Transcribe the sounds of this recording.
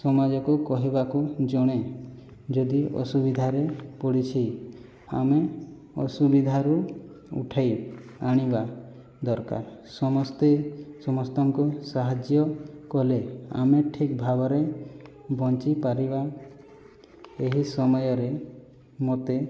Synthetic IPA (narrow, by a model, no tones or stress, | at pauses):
sɔmad͡ʒɔkukɔɦibakud͡ʒɔɽ̃e | d͡ʒɔd̪iʔɔ̰subid̪ʱaɾepɔɽit͡ʃʰi | a̰me | ɔ̰subid̪ʱaɾu | ṵʈʰajaɽ̃iba | d̪ɔɾka̰ɾsɔmɔst̪esɔmɔst̪ɔŋkusaɦad͡ʒjɔkɔlea̰meʈʰikbʱabɔɾe | bɔnt͡ʃipaɾiba | eɦisɔmɔjɔɾe | mot̪e